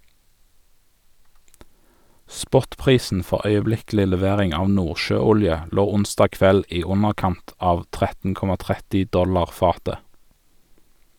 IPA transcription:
ˈspɔtˌpʁiːsn̩ ˈfɔʁ œʏəˈblɪklɪ lɛˈʋeːʁɪŋ ˈɑː ˈnuːʁʃøːˌʊljə ˈloː ˈʊnsdɑː ˈkʋɛl ˈiː ˈʊnəʁˌkɑnt ˈɑːʋ ˈtʁɛtn̩ ˈkɔmɑ ˈtʁɛtɪ ˈdɔlɑʁ ˈfɑːtə

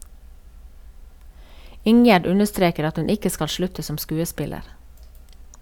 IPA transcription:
ˈɪŋjæɖ ˈʉnəˌstɾeːkəɾ ˈɑt ˈhʉn ˈɪkə ˈskɑl ˈʃlʉtə ˈsɔm ˈskʉːəˌspɪləɾ

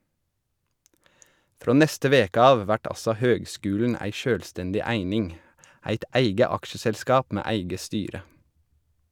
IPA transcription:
ˈfɾoː ˈnɛstə ˈʋeːkə ˈɑːʋ ˈʋæʈ ˈɑsɔ ˈhøːɡˌskʉːln̩ ˈæɪ ˈʃøːlˌstɛndɪ ˈæɪnɪŋ ˈæɪt ˈʔæɪɡə ˈɑkʃəsɛlˌskɑːp ˈmeː ˈæɪɡə ˈstyːɾə

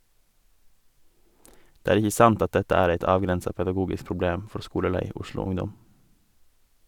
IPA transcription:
ˈdeː ˈæːɾ ˈɪçə ˈsɑnt ˈɑt ˈdɛtə ˈæːɾ ˈeɪt ˈɑːʋɡɾɛnsɑ pɛdɑˈɡuːɡɪs pɾʊˈbleːm ˈfɔɾ ˈskuːləˌlæɪ ˈʊʃlʊ ˈʊŋdɔm

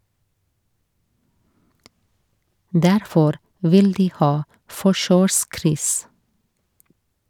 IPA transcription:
ˈdæɾfɔɾ ˈʋɪl ˈdiː ˈhɑː ˈfɔʃøːˌskɾʏs

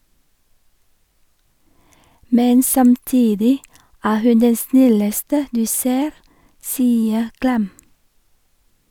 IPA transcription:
ˈmɛn sɑmˈtiːdɪ ˈæː ˈhʉn ˈdɛn ˈsnɪləstə ˈdʉː ˈseːɾ ˈsiːə ˈklɛm

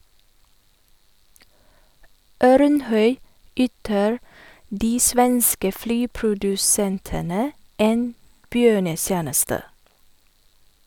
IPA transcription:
ˈœɾnˌhœʏ ˈyːtəɹ ˈdiː ˈsʋɛnskə ˈflyːpɾʊdʉˌsɛntənə ˈeːn ˈbjøːɳəˌsjæːnəstə

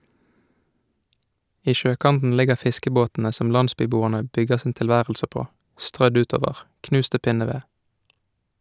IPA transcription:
ˈiː ˈʃøːˌkɑntn̩ ˈlɪɡəʁ ˈfɪskəboːtn̩ə ˈsɔm ˈlɑndˌspyːˌbuːəʁnə ˈbʏɡəʁ sn̩ ˌtɪlˈʋæːʁəlsə ˈpoː ˈstʁœd ˈʉːˌtoːʋəʁ ˈknʉːst ˈtɪ ˈpɪnəˌʋeː

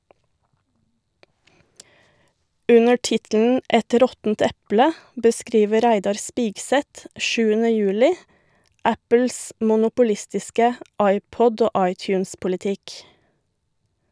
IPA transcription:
ˈʉnə ˈʈɪtln̩ ˈɛt ˈɾɔtn̩t ˈɛplə bəˈskɾiːʋə ˈɾæɪdɑɾ ˈspɪɡˌsɛt ˈʃʉːənə ˈjʉːlɪ ˈæpəls mʊnʊpʊˈlɪstɪskə ˈɑɪˌpɔd ˈoː ˈʔɑɪˌtjʉːnspʊlɪˌtɪk

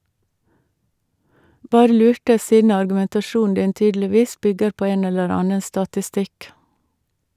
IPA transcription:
ˈbɑːɾə ˈlʉːʈə ˈsiːdn̩ ɑɾɡʉmɛntɑˈʃuːn̩ ˈdɪn ˈtyːdl̩ɪˌʋiːs ˈbʏɡəɾ ˈpoː ˈeːn ˈɛləɾ ˈɑːnə stɑtɪˈstɪk

